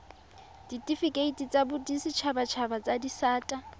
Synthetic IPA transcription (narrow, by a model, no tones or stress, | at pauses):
d̥itʼifikʼeitʼit͡sʼabʊdisɪt͡ʃʰabat͡ʃʰabat͡sʼadisaːtʼa